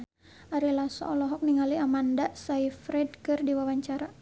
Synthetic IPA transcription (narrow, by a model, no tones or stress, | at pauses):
aɾilasɔ̰ɔlɔɦɔk̚niŋaliamandasaifɾɛd̚kɨrdiwawaɲt͡ʃaɾa